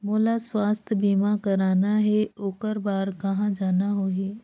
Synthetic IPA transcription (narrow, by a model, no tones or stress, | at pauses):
moːlaswaːst̪ʰbiːmakɐɾaːnaɦɛoːkəɾbaːɾkɐɦãd͡ʒaːnaɦoːɦɛː